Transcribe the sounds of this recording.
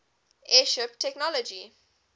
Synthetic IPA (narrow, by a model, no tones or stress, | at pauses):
ʔɛʃɪptʰɛknɔlɔd͡ʒi